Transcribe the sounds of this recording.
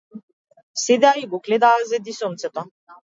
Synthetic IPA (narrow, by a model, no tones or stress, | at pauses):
sed̪ɛaiɡɔklɛd̪aːzɛd̪isɔmt̪sɛt̪ɔ